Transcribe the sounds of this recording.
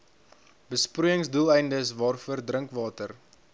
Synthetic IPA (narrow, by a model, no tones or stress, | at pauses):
bəsprujəŋsdulˠɛjndəs̬vɑːrfuərdrəŋkvɑːtər